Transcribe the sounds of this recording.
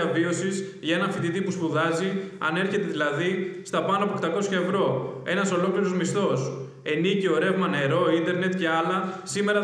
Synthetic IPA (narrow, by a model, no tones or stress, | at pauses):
ɐvio̞sis | ʝɐe̞nɐɱfind̪it̪ipuspuðɐziɐ̰ne̞ɾçe̞t̪e̞ðilɐðist̪ɐpɐnɐɐpokt̪ɐko̞sçɐe̞vɾo̞e̞nɐso̞lo̞kliɾozmist̪o̞s | e̞nicio̞ɾe̞vmɐne̞ɾo̞ind̪e̞ɾne̞t̪ce̞ɐlɐsime̞ɾɐ